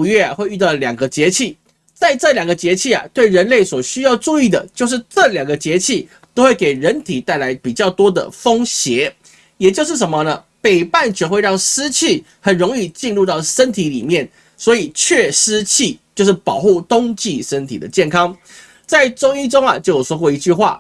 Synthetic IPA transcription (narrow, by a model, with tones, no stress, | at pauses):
ɥɛ˥˩a˨˩xwe˥˧ɪy˥˧t̪ɑ˥˩ʊljɑ˨˩ŋɡə˦t͡ɕjɛ˧˥t͡ɕʰi˥˩ | t͡sa˥˧ɪʈ͡ʂɤ˥˩ljɑ˨˩ŋɡə˧t͡ɕjɛ˧˥t͡ɕʰi˥˩ɐ̰˨˩t̪we˥˩ɪɻə˧˦˥nle˥˩ɪswɔ˨˩ɕy˥jɑ˥˧ʊʈ͡ʂu˥˧i˥˩d̪ə̰˩t͡ɕjo˥˧ʊʂ̬ɻ̩˥˧ʈ͡ʂɤ˥˨ljɑ˨˩ŋɡə˩t͡ɕjɛ˧˥t͡ɕʰi˥˩ | t̪o˥ʊxwe˥˩ɪke˨˩ɪɻə˧˦nt̪ʰi˨˩t̪a˥˩ɪla˧˥ɪpi˨˩t͡ɕjɑ˥˩ʊt̪wɔ˥d̪ə̰˨fo˥ŋɕjɛ˧˥˦ | jɛ˨˩t͡ɕjo˥˧ʊʂɻ̩˥˩ʂə˧˦nmə˧nə˩ | pe˨˩ɪpa˥˩nt͡ɕɛ˧˥xwe˥˧ɪɻɑ˥˩ŋʂɹ̩˥t͡ɕʰi˥˩ | xə˨˩nɻʊ˧˥ŋi˥˧t͡ɕi˥˧nlu˥˧t̪ɑ˥˩ʊʂə˥nt̪ʰi˧˥lḭ˨˩mjɛ˥˩n | swɔ˧˥i˨˩t͡ɕʰɥɛ˥˩ʂɹ̩˥t͡ɕʰi˥˩˨t͡ɕjo˥˧ʊʂɻ̩˥˩pɑ˨˩ʊxu˥˩t̪ʊ˥ŋt͡ɕi˥˨ʂə˦nt̪ʰi˨˩d̪ə˦t͡ɕjɛ˥˩nkʰɑ˥ŋ | t͡sa˥˧ɪʈ͡ʂʊ˥ŋi˥˧ʈ͡ʂʊ˥ŋɐ˨t͡ɕjo˥˩ʊjo˨˩ʂwɔ˥kwɔ˥˩i˧˥t͡ɕy˥˧xwa̰˥˩